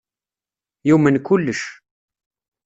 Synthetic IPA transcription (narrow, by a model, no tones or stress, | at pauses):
jumənkʊlːəʃ